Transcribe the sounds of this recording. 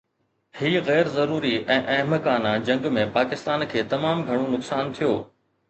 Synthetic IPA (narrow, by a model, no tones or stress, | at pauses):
hiːɣɛːɾzɐɾuːɾiɛ̃ːʔɐ̃ɦməkaːnad͡ʑɐ̃ŋɡmẽpaːkɪst̪aːnkʰeːt̪ɐmaːmɡʱɐɽ̃onʊksaːnt̪ʰijoː